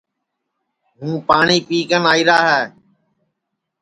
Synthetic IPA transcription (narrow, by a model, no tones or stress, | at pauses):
ɦũːpaːɳiːpiːkənaːiːɾaːɦɛː